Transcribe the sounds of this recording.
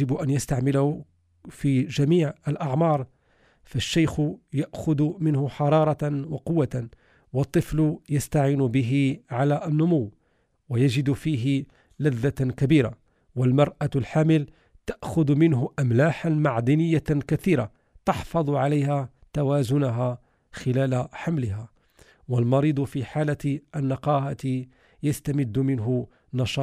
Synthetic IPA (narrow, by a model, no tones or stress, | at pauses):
ɪbʊʔænjast̪aʕmɪlahʊ | fiʒæmiːʕəlʔɑʕmɑːɾˤ | faʃːajxʊjaʔxʊd̪mɪnhʊħɑɾˤɑːɾˤɑwɑqʊwːa | wɑt̪ˤːɨflʊjast̪aʕiːnʊbɪɦɪʕalaʔənːʊmʊwː | wajaʒɪd̪fiːɦɪ | laðːakabiːɾa̰ | walmɑɾˤʔalħaːmɪl | t̪aʔxʊd̪mɪnɦʊʔamlaːħanmaʕd̪ɪnɪjːakat̪iːɾa | t̪ɑħfɑd̪ˤʕalajha | t̪awaːzʊnʊɦaː | xɪlaːlaħamlɪɦa | walmɑɾiːd̪ˤʊfiːħaːlat̪ʔanːɑqɑːhat̪ | jast̪amɪd̪ːʊmɪnɦʊ | nɑʃɑ